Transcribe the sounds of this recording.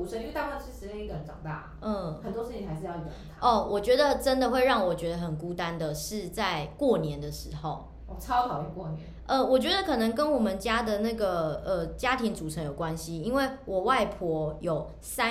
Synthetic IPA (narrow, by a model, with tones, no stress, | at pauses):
u˨˩ʂə˧˥ny˥˦t̪a˥˧kwa˥˩nʂɻi˥˩ʂɻ̩˧˥t͡ɕeɛ˥˩i˧ɡə˧˩ə˧˦nʈ͡ʂɑ̰˨˩ŋt̪a̰˥˩ | ə˥˩xə˨˩nt̪wɔ˥ʂɻ̩ʰ˥˩i˨˩a˧ɪʂɻ̩˥˧jt̪ʰə˥˩wʔɔ˨˩t͡ɕɥɛ˧˥d̪ə˨ʈ͡ʂə˦nd̪ə˨xwe˥˧ɪɻɑ˥˩ŋwɔ˨˩t͡ɕɥɛ˧˥d̪ə˧˩ɦə˨˩nku˥t̪a˦˥nd̪ə˨ʂɻ̩˥˧t͡sa˥˧ɪkwɔ˥˩njɛ˨˦nd̪ə˨ʂɻ̩˧˥xo˨˩ʊ | ɔ˧˩t͡sʰɑ˥ɑ˨˩ʊo˨˧˩kwɔ˥˩nɛ̰˧˦nʔə˧wɔ˨˩t͡ɕɥɛ˧˦˥d̪ə˧kʰɤ˨˩nə˧˥ŋkə˦nwɔ˨˩mə˨nt͡ɕja˥d̪ə˨na˥˩ɡə˨˩ə˩t͡ɕja˥t̪ʰi˧˥ŋt͡su˨ʈ͡ʂʰə˧˥ŋjo˨˩ʊkwa˦nɕi˦i˥nwe˥˩ɪwɔ˨˩wa˥˩ɪpʰwɔ˧˥jo˨˩ʊ | sa˦